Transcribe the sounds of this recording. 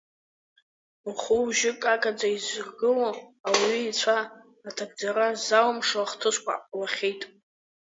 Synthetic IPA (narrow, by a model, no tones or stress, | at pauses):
uχuʒɪkʼakʼad͡zaizrɡɨloawiːt͡sʷʰaː | tʰak̚d͡zaɾazawmʂaχtʰɨskʷʰʼa̰laχʲejtʼ